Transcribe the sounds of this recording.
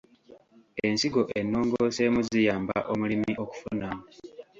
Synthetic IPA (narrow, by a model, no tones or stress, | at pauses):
e̞nsiɡo̞ʔenːoːŋɡo̞se̞ːmuzijaːmba̰ʔomulimiʔo̞ku̥funamu